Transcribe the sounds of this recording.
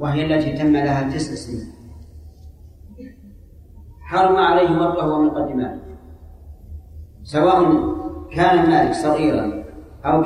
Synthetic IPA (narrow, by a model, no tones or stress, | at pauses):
waɦɪjalːat̪iːt̪amːalaɦald̪ɪslɪsiː | ħɑɾˤmaʕalajhɪwɑt̪ˤːahʊwamʊqɑd̪ːɪma̰ːt̪ | sawaːʔʊnkaːnanːaːlɪksˤɑɣiːɾɑ̰n | ʔawk